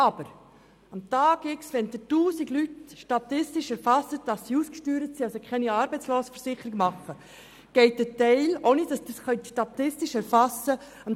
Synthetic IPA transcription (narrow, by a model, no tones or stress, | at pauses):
ɑb̥əɾ | ɑmt̪ɑːɡɪksʋɛndətuːsiɡlytʃtɑtɪstiʃɛɾfɑsət̚d̥ɑsːiuːskʃtyːɾətsiːɑlsokχɛniɑːɾbɛɪt͡sloːsəfəɾsɪχəɾiɡmɑχːə | ɡ̥ɛɪt̚d̥ətɛɪlonɪd̥ɑsd̥əsχœntʃtɑt̪ɪstiʃɛɾfɑsə | ɑm